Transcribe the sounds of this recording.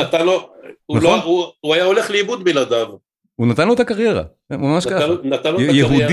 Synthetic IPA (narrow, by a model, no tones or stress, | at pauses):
at̪alounatlauuajaole̞χleibud̪bilad̪av | unat̪anlo̞et̪akaʁje̞ʁa̰ | mamaʃkanat̪anlojeɦud̪